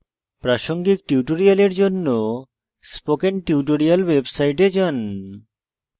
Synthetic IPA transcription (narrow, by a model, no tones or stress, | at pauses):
pɾaʃoŋɡik̚ʈiuʈoɾialeɾd͡ʑonːo | spokenʈiuʈ̬oɾialwebsajʈed͡ʑan